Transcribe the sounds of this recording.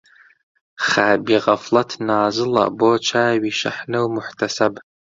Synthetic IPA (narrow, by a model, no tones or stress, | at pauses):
χaːbiːʁɐflɐtʰnaːzɨlɐ̰boːt͡ʃʰaːwiːʃɐ̰ħnɨwmʊħtʰɐsɐb